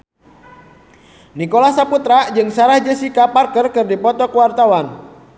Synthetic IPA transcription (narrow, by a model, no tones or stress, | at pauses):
nikolasaput̪ɾad͡ʒɨŋsaɾahd͡ʒəsikaparkərkɨrdipɔt̪ɔkəwart̪awan